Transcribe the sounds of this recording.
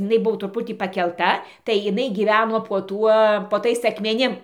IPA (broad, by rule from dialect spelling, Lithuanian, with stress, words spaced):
ɪˈnɐɪ ˈbʊʋoː trʊˈpʊtʲiː pɐkʲɛlˠˈtɐ tɐɪ ɪˈnɐɪ ɡʲiːˈʋʲæːnoː poː ˈtuɔ poː ˈtɐɪs ɐkmʲɛˈnʲɪm